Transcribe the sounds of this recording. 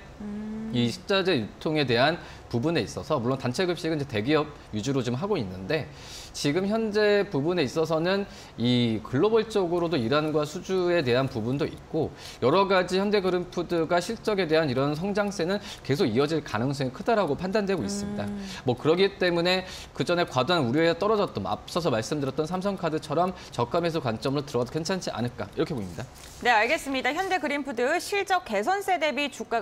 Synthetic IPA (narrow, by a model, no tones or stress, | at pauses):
iɕʰi̥k̚t͡ɕ͈ad͡ʑe̞jutʰoŋe̞de̞ɦan | pubune̞is͈ʌsʰʌmuɭːontant͡ɕʰe̞ɡɯp̚ɕ͈iɡɯnid͡ʑete̞ɡiʌb̚ | jud͡ʑuɾot͡ɕomɦaɡoinːɯnde̞ | t͡ɕiɡɯmçjʌnd͡ʑe̞pubune̞is͈ʌs̬ʰʌnɯn | ikɯɭːʌboɭt͡ɕ͈ʌɡɯɾodoiɾanɡwasʰud͡ʑue̞de̞ɦanpubundoḭt̚k͈o | jʌɾʌɡad͡ʑiçjʌnde̞ɡɯɾɯmpʰudɯɡaɕʰiɭt͡ɕ͈ʌɡe̞de̞ɦaniɾʌns̬ʰʌŋd͡ʑaŋs͈enɯnke̞s̬ʰoɡiʌd͡ʑiɭkanɯŋs̬͈ʌŋikʰɯdaɾaɡopʰandandwe̞ɡois͈ɯmɲida̰mʌkɯɾʌɡit͈e̞mune̞ | kɯd͡ʑʌne̞kwadoanuɾjoe̞sʰʌt͈ʌɾʌd͡ʑʌt̚t͈oma̰p̚s͈ʌs̬ʰʌmaɭs͈ɯmdɯɾjʌt͈nsʰams̬ʰʌŋkʰadɯt͡ɕʰʌɾʌm | t͡ɕʌk̚k͈ame̞s̬ʰʌkwant͡ɕ͈ʌmɯɾotɯɾʌkwe̞nt͡ɕʰant͡ɕʰiʔa̰nɯɭk͈a̰iɾʌkʰe̞boimɲida | ne̞aɭɡe̞s͈ɯmɲidaçjʌnde̞ɡɯɾimpʰudɯɕʰiɭt͡ɕ͈ʌk͈̚e̞sʰʌns͈ʰe̞de̞bit͡ɕuk͈a